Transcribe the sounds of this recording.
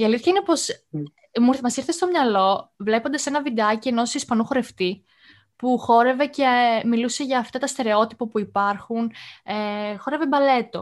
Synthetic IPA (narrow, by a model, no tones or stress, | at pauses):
iɐliθçɐinepo̞s | muɾθmɐsiɾθest̪o̞mɲɐlo̞vlepo̞nd̪ɐse̞nɐvid̪eɐcieno̞sispɐnuxo̞ɾe̞ft̪i | puxo̞ɾe̞ve̞ce̞miluse̞ʝɐːft̪ɐt̪ɐst̪e̞ɾe̞o̞t̪ipopuipɐɾxun | xo̞ɾe̞vebɐle̞t̪o̞̰